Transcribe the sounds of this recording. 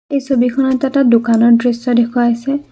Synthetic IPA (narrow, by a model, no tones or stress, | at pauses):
ejsobikʰɔnɔtːatadʊkanɔɹdɹisɔdekʰuaːjsɛ